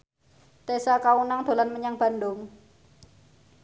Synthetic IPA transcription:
t̪esakaunaŋd̪̥o̤lanməɲaŋb̥a̤ndʊŋ

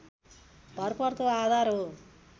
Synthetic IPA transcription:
bʱʌrpʌrt̪oad̪ʱarɦo

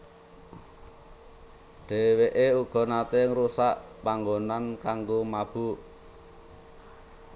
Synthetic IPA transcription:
ɖ̥e̤weʔeuɡ̥ɔ̤nat̪eŋɾusaʔpaŋɡonankaŋɡomab̥ṳ

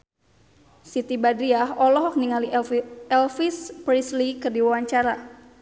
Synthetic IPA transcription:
sit̪ibadɾiaɦɔlɔɦɔk̚niŋaliɛlfispɾislikərdiwawaɲt͡ʃaɾa

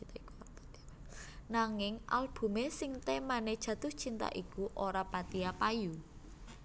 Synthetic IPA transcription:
t̪ak̪ | naŋɪŋʔa̰lb̥ṳmesɪŋt̪emaned̥ʒ̥ä̤d̪̥ʊht͡ʃint̪a̰ʔikuʔoɾapat̪iapaju

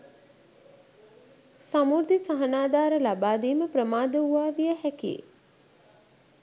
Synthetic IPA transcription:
samuɾd̪ʱisaɦənaːd̪aːɾəlabaːd̪iːməpɾəmaːd̪əuʋaːʋijəhɛkiḛ

